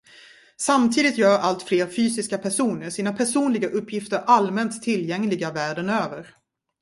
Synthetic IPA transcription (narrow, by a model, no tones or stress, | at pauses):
samt̪ʰiːd̪ɪt̪jœːɾalt̪fleːɾfyːsɪskapʰæʂuːnəɾʂiːnapʰæʂuːnlɪɡaʔɵpʰːjɪft̪əɾʔalmɛnt̪ʰːɪljɛŋlɪɡavæːɖənøːvəɾ